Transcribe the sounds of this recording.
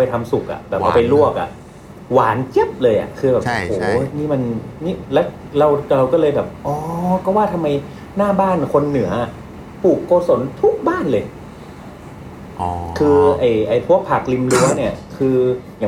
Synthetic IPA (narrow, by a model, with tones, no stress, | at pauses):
a˧jt̪ʰa˧msu˨˩k̚ʔa̰˨˩ʔbɛː˨˩wa˧˩˧pa˧jlu˥˩ək̚ʔa̰˨˩ʔ | waː˩˦nt͡ɕe˦˥p̚lɤː˧jʔa̰˨˩kʰɯː˧bɛː˨˩p̚o˧ʔhoː˨˩˦niː˥˩ma˧nni˦˥lɛː˦˥w | ɾa˧wɾa˧wkɔː˥˩lɤː˧jbɛː˨˩p̚ʔɔː˧˦kɔː˥˩waː˥˩t̪ʰa˧mːa˧j | naː˥˩baː˥˩nkʰo˧nːɯ˨˩˦ɐʔa˩ | pʰuː˨˩kːoː˧so˩˦nt̪ʰu˦˥k̚baː˥˩˨nlɤː˧j | kʰɯː˧ʔa˨˩jʔa˨˩jpʰu˥˩ək̚pʰa˨˩k̚li˧mlɯ˧˦˥ni˥˩ɐkʰɯː˧ja˨˩